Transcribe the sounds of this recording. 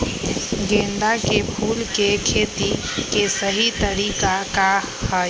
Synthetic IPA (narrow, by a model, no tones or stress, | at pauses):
ɡẽnd̪akepʰulkekʰet̪i | kesəɦit̪əɾikaka | hə